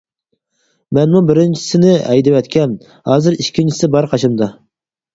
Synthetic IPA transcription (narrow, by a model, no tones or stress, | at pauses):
mɛnmubɪɾɪnt͡ʃʰi̥sɪnɪɛjd̪ɪwɛt̪kʲʰɛn | hɑːzɪɾiʃkʲʰːint͡ʃʰisɪbɑɾqʰɑʃʰɑmd̪ɑ